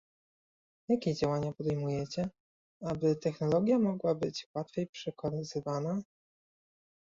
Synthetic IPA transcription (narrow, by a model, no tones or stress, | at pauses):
jakʲed͡ʑawaɲapɔd̪ɛjmujɛt͡ɕɛ | abɘt̪ɛxnɔlɔɡʲjamɔɡwabɘt͡ɕwat̪fʲjejpʂɛkɔɾɘzɘvana